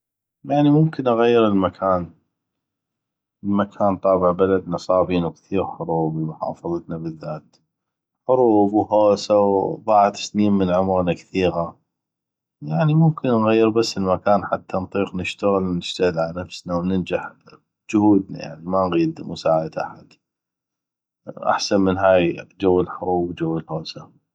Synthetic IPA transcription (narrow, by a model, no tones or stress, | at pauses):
jaʕnimʊmkɪnʔaɣajːɪɾəlmakʰaːn | əlmakʰaːnt̪ˤɑːbɪʕbalad̪nɨsˤɑːbiːnukθiːɾħʊɾˤuːbmʊħɑ̰ːfɑðˤɑt̪nabəðːaːt̪ | ħʊɾˤuːbwhoːsawðˤɑʕt̪ḁsniːmmənʕʊmɾnakθiːɣa | jaʕnimʊmkɪnːɣajːɪɾbasːəlmakaːnħat̪ːant̪ˤiːqnɪʃt̪aɣɪlnɪʃt̪aɣɪlʕalanafsnawnɪnd͡ʒaħ | d͡ʒʊhuːd̪̚na̰ja̰ʕnimanɣiːd̪mʊsaːʕad̪ʔa̰ħad̪̥ | ʔa̰ħsanmənɦaːjd͡ʒawːɪlħʊɾˤuːbd͡ʒawːəlhoːsa